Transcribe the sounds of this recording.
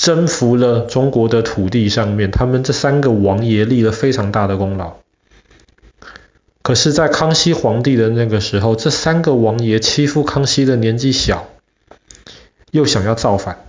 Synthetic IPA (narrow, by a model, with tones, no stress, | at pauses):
ʈ͡ʂə˥nfu˧˥lə˨ʈ͡ʂʊ˥ŋkwɔ˧˥d̪ə˨t̪ʰu˨˩t̪i˥˧ʂɑ˥˧ŋmjɛ˥˩nt̪ʰa˥mə˨nʈ͡ʂɤ˥˩sa˥nɡə˨wɑ˧˥ŋjɛ˧˥li˥˩lə˩fe˥ɪʈ͡ʂʰɑ˧˥ŋt̪a˥˩d̪ə˩kʊ˥ŋlɑ˨˧˦ʊ | kʰɤ˨˩ʂɻ̩˥˧t͡sa˥˩ɪkʰɑ˥ŋɕi˥xwɑ˧˥ŋt̪i˥˩d̪ə˩na˥˩ɡə˩ʂɻ̩˧˥xo˥˧ʊʈ͡ʂɤ˥˩sa˥nɡə˨wɑ˧˥ŋjɛ˧˥t͡ɕʰi˥fu˥˩kʰɑ˥ŋɕi˥d̪ə˨njɛ˧˥nt͡ɕi˥˩ɕjɑ˨˩˦ʊ | jo˥˩ʊɕjɑ˨˩ŋjɑ˥˧ʊt͡sɑ˥˩ʊfa˨˩˦n